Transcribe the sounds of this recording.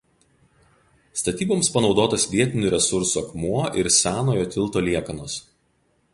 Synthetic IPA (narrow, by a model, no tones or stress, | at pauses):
st̪ɐt̪ʲiːboːmspɐnɒʊd̪oːt̪ɐsʋʲiɛt̪ʲɪnʲʊɾʲɛsʊɾsuɐkmuɔʔɪɾsʲæːnoːjoːt̪ʲɪlˠˑt̪oːlʲiɛkɐnoːs